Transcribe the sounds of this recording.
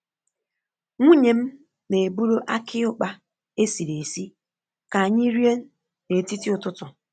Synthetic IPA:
ŋʷu˦ɲe˨m̩˦ | ne˨bu˦ɾo˦ʔa˦kʰɪ˦ʊ˦k͡pa˦ | e˦si˨le˨si˦ | ka˨a˨ɲɪ˦ɾi˦e˦ | ne˨ti˦ti˦ʊ˨tʊ˦tʊ˨

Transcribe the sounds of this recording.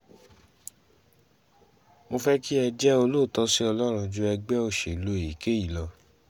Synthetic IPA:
mo˧fɛ˦ki˦ɛ˧d͡ʒɛ˦o˧lo˦˨tɔ˦si˦ɔ˧lɔ˦ɾ̃ũ˧d͡ʒu˧˦ɛ˧ɡ͡bɛ˦o˦˧˨ʃe˨lo˨˧e˨i˨ke˦˨ji˦˨lɔ˧

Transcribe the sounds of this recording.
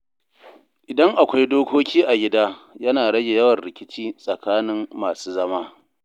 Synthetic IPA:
ʔɪ˨dɐ˦ŋʔa˨kʷa˦jdoː˦kʷoː˦kʲʰiː˦ʔa˨ɡʲɪ˦daː˦jɐ˦naː˨ɽɐ˦ɡʲe˨jɐ˦wɐ˨nɾɪ˨kʲɪ˦t͡ʃiː˦sʼɐ˨kaː˦nɪ˦mːaː˨suː˦zɐ˦maː˦

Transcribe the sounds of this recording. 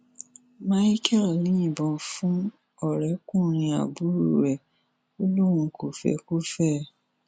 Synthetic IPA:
ma˦i˦kɛ˦˨lnĩ˦ĩ˨bɔ̃˨fũ˦ | ɔ˨ɾɛ˨˦kũ˦ɾ̃ĩ˧a̰˨bu˦ɾṵ˦ɾɛ˨ | o˦lu˦ɾũ˧˨ko˨fɛ̰˨ku˦fɛː˦˨

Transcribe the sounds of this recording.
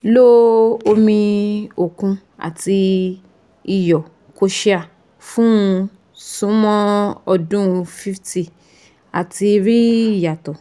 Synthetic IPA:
lo˦o˧mĩ˧o˨kũ˧ | a̰˨ti˧ | i˨jɔ˨ | ko˧ʃi˦˧a˨ | fũ˦ũ˧ | sũ˦mɔ̃˦ɔ˧dũ˦˧fi˦fti˨ | a˨ti˧ɾi˦˨ja˨tɔ˨

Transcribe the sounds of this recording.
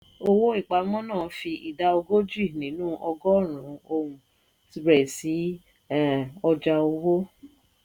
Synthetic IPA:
o˧wo˦i˦˨k͡pa˨˧mɔ̃˦nãː˦˨˦fi˧ʔi˨da˧˦o˧ɡo˦d͡ʒi˦˨nĩ˨˦nũː˦ʔɔ˧ɡɔ˦˨ɾ̃ũ˨˦o˧wũ˨˧ | bɾɛ˨si˨˦˨ | ɔ˧d͡ʒa˧o˧wo˦

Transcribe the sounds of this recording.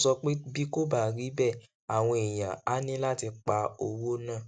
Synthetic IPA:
sɔ˧k͡pe˦bi˦ko˦ba˦˨ɾi˨˦bɛ˦˨ | a˨w̃ɔ̃˧e˨j̃ã̰˨a˦nĩ˦la˦ti˧k͡pa˨˦o˧wo˦nãː˦˨

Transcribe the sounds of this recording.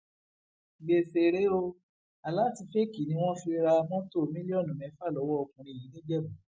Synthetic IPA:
ɡ͡be˨fe˨ɾe˨˦o˧ | a˨la˨˦ti˧fe˦ki˨nĩ˧˦w̃ɔ̃˦fi˧ɾa˧mɔ̃˦to˦˨mĩ˦li˦ɔ˦˨nũ˨mɛ̃˨˦fa˦˨lɔ˨˦wɔ˦ɔ˧kũ˨ɾ̃ĩ˧˨i˨˦nẽ˦d͡ʒɛ˦˨ɡũ˨

